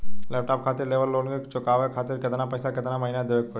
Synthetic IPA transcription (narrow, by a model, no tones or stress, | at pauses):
leːp̚ʈaːp̚kʰaːt̪ɪɾleːʋəlːoːnɡet͡ʃʊkaːʋekʰaːt̪ɪɾkɪt̪napɐɪsakɪt̪namɐɦinad̪ɪʋek̚o